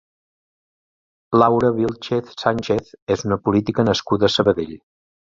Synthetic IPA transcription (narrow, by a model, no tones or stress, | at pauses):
lawɾəβilˠt͡ʃeθsanʲt͡ʃeθezunəpulit̪ikənəskuðəːsəβəðeʎ